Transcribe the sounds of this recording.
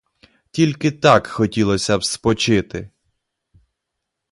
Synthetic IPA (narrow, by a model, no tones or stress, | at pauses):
tʲilʲkɪt̪ɑkxɔtʲilˠɔsʲɐbspɔt͡ʃɪt̪ɪ